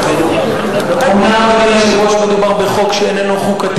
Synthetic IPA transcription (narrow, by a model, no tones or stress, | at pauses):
umaaiʃzʁoʃmed̪ubaʁbeχo̞kʃeːnenuχukat̪